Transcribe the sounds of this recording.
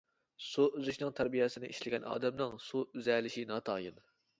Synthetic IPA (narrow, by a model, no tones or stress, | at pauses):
suyzyʃnɨŋt̪ʰæɾbijɛsɪnɪʔiʃlɪɡʲɛnʔɑ̰ːd̪ɛmnɨŋsuyzɛlɪʃinɑːt̪ʰɑːjɨn